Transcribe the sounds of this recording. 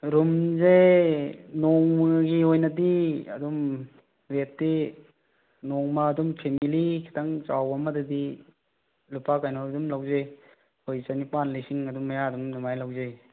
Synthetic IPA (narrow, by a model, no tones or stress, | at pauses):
ɾumzej | nɔŋmɐɡiɦojnɐdiɐdum | ɾetdi | nɔŋmɐːdumpʰemilikʰi̥tʰaŋt͡ʃawɐmɐdɐdi | lupakajnoɾɐdumlawzej | hojsanipanlisiŋɐdumːɐjaɐdumnumajlawzej